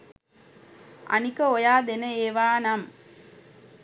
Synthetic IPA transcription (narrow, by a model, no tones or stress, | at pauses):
ʔɐ̰nikɐɔjaːd̪enɐeːʋaːnam